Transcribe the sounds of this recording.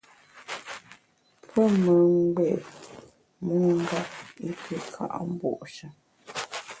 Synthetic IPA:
pʰə˦mə˨ŋ˦ɡ͡bɛ˦˨ | mə˦ŋ˦ɡa˦p̚i˦tʰə˦kʰa̰˦˨ʔm̩˦bɔ̰˦˨ʔʃə˨

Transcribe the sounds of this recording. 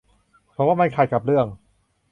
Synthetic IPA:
pʰɾɔ˦˥waː˥˩ma˧nkʰaː˨˩j̚ka˨˩p̚ɾɯ˥˩əŋ

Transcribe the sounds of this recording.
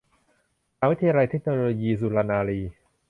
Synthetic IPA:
a˧wi˦˥t̪ʰa˧jaː˧ɾa˧jt̪ʰe˦˥k̚noː˧loː˧jiː˧s̬uː˧laː˧naː˧ɾiː˧

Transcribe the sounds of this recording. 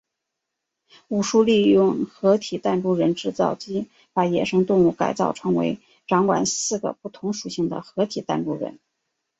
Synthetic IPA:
u˨˩ʂu˥˧li˥˧jʊ˥˩ŋxɤ˧˥t̪ʰi˨˩t̪a˥˧nʈ͡ʂu˥˩ɻə˧˥nʈ͡ʂɻ̩˥˧t͡sɑ˥˩ʊt͡ɕi˥ | pa˧˥jɛ̰˨˩ʂɤ˥ŋt̪ʊ˥˧ŋu˥˩ka̰˨˩ɪt͡sɑ˥˩ʊʈ͡ʂʰɤ˧˥ŋwḛ˧˥ɪ | ʈ͡ʂɑ˧˥ŋkwa̰˨˩nsɹ̩˥˩ɡə̰˩pu˥˩t̪ʰʊ˧˥ŋʂu˨˩ɕi˥˩ŋd̪ə̰˩xɤ˧˥t̪ʰi˨˩t̪a̰˥˧nʈ͡ʂu˥ɻə̰˧˥n

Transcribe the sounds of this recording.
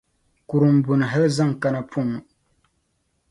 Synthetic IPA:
ku˨ɾɨ˨m̩˨bʊ˨nɨ˨ɦa˦lza˦˨ŋ˨ka˦na˦pʰu˦ŋ˨

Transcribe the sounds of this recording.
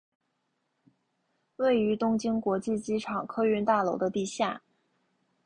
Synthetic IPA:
we˥˩ɪy˧˥t̪ʊ˥ŋt͡ɕi˥ŋkwɔ˧˥t͡ɕi˥˩t͡ɕi˥ʈ͡ʂʰɑ˨˩ŋkʰɤ˥y˥˧nt̪a˥˩lo˧˥ʊd̪ə˧t̪i˥˧ɕja˥˩

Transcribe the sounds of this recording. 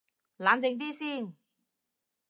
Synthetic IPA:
laː˨˥nt͡sɪ˨˧ŋt̪̬iː˥siː˥˩n

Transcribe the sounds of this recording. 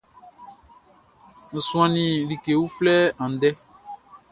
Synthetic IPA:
n̩˨sũ˦ã˨nĩ˨li˨ke˨wu˦flɛ˦ã˨n˨dɛ˦

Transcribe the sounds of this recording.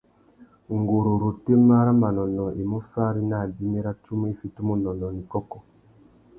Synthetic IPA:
ŋɡo˨ɾo˨ɾo˨te˦ma˦ɾa˦ma˨nɔ˨nɔ˨ʔe˨mo˦fa˦ɾi˦na˦˨di˦me˦ɾa˦tu˦m˦e˦fi˨tu˦mo˦nɔ˨nɔ˨ni˨kɔ˦kɔ˦

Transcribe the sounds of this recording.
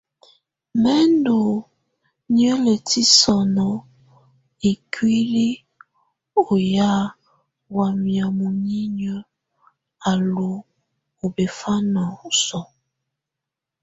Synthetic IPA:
mɛ˦ndo˨ | ɲjə˦le˨ti˦sɔ˨nɔ˨ | i˨kwi˦li˦ | o˨ja˦ | wa˨mi˨a˨mu˨ɲi˦ɲə˦ | a˨lo˨ | o˨be˨fa˦na˨o˨sɔ˨

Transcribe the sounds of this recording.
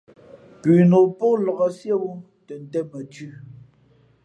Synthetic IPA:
pʉ˨no˨po˦lɔ˨ɣə˨sjə˦wu˦ | tə˨n̩˨tɛ˦mə˨tʉ˦

